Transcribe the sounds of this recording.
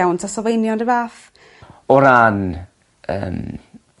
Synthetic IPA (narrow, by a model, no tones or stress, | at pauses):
awntʰasɔvejnjɔndəvaːf | ɔɾan | ə̰ːm